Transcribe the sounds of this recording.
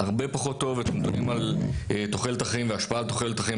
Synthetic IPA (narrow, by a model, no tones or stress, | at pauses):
aʁbe̞paχo̞tːo̞vet̪emd̪onimalet̪oχelet̪aχaimveaʃpaalt̪oχelet̪aχai